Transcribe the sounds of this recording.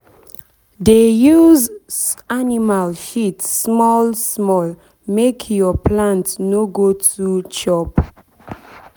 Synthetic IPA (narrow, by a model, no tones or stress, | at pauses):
dejuzanimalʃitsmɔlsmɔl | mekʰjɔpʰlãntnoɡotut͡ʃɔp